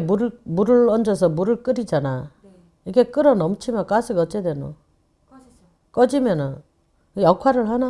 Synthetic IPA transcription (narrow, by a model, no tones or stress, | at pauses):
mumuɾɯɭʌnd͡ʑʌs̬ʰʌmuɾɯɭk͈ɯɾid͡ʑana | iɡe̞k͈ɯɾʌnʌmt͡ɕʰimjʌnk͈asʰɯɡʌt͡ɕ͈edeno̰ | k͈ʌd͡ʑimjʌnɯn | jʌkʰwaɾɯɭɦana